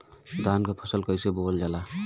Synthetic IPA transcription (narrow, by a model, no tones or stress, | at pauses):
d̪ankapʰəsəlkəjsebold͡ʒala